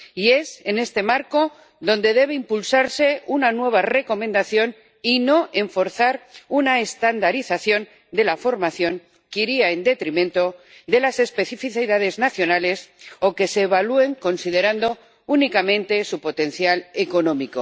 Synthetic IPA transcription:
ie̞se̞ne̞st̪e̞maɾko̞ | ðo̞nd̪e̞ðe̞β̞e̞impulsaɾse̞unanwe̞β̞are̞ko̞mẽnd̪aθjo̞n | ino̞ʔe̞ɱfo̞ɾθaɾunaest̪and̪aɾiθaθjo̞n | d̪e̞lafo̞ɾmaθjo̞ŋ | kiɾiaend̪e̞t̪ɾimẽnt̪o̞ | d̪e̞lase̞spe̞θifiθiðað̞e̞znaθjo̞nale̞so̞ke̞seːβalue̞ŋko̞nsiðe̞ɾand̪o̞ | unikamẽ̞nt̪e̞supo̞t̪e̞n̟θjaleko̞nõ̞miko

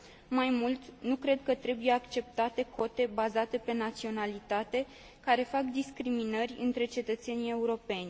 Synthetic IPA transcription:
majmult̪nukɾe̞d̪kət̪ɾe̞bujeakt͡ʃe̞p̚t̪at̪e̞ko̞t̪e̞bazat̪e̞pe̞nat̪sio̞nalit̪at̪e̞ | kaɾe̞fakd̪iskɾiminərʲɨ̰nt̪ɾe̞t͡ʃe̞t̪ət̪se̞nie̞uɾo̞pe̞nʲ

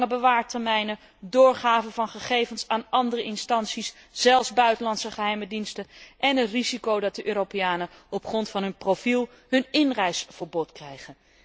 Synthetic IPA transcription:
əbəʋaːɹtɛɹmɛjnə | dʊːɹχaːvənvɑnχəχejvənsaːnɑndərəʔɪnstɑnsis | z̥ɛlˠfzbœɥtəlɑntsəχəɦɛjmədinstənʔɛnətrizikowdɑt̚dəʔøːropejaːnəɔpχrɔntfɑnɦɵnprofilˠ | ɦɵnɪnrɛjsfəɹbɔtkrɛjχən

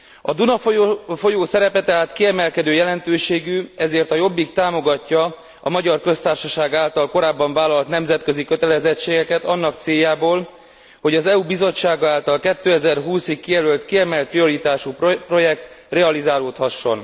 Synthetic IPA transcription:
ɒd̪unɒffo̞joːsɛɾɛpɛt̪ɛɦaːt̪kiɛmɛlkɛd̪øːjɛlɛnt̪øːʃeːɡyɛzeːrt̪ɒjo̞bːikt̪aːmo̞ɡɒcːɒ | ɒmɒɟɒrkø̞st̪aːrʃɒʃaːɡaːlt̪ɒlko̞ɾaːbːɒɱvaːlːɒlt̪nɛmzɛt̪kø̞zikø̞t̪ɛlɛzɛt͡ʃːeːɡɛkɛt̪ɒnːɒkt̪seːjːaːboːl | ho̞ɟɒzɛubizo̞t͡ʃːaːɡaːlt̪ɒlkɛt̪ːøːɛzɛrɦuːsikːijɛlølt̪kiɛmɛlt̪prio̞ɾit̪aːʃuppro̞jɛk̚t̪rɛɒlizaːloːt̪hɒʃːo̞n

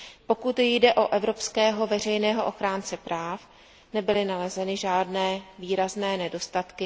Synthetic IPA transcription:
po̞kut̪jjdɛʔo̞ʔɛvɾo̞pskɛːɦo̞vɛr̝ɛjnɛːɦo̞ʔo̞xɾaːnt͡sɛpɾaːf | nɛbɪlɪnalɛzɛnɪʒaːdnɛːviːɾaznɛːnɛdo̞st̪at̪kɪ

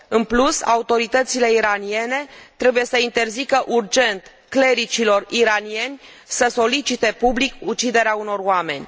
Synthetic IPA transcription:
ɨnplusa̰ut̪o̞ɾit̪ət̪sile̞iɾanie̞ne̞t̪ɾe̞buje̞səint̪e̞rzikəʔurd͡ʒe̞nt̪ | kle̞ɾit͡ʃilo̞riɾanie̞nʲ | səso̞lit͡ʃit̪e̞publikut͡ʃid̪e̞ɾeauno̞roame̞nʲ

